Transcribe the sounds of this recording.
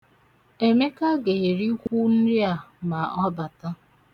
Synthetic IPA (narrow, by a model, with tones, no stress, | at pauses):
e˨me˦ka˦ɡe˨e˨ɾi˦kʷu˦n̩˦ɾi˦a˨ma˨ɔ˦ba˨ta˦